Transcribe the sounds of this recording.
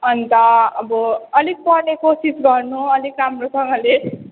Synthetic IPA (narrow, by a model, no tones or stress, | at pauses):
ʌnit̪ʌʌbʌʌlik̚pʌrnekosisɡʌrnuʌlikramrosʌŋɡʌle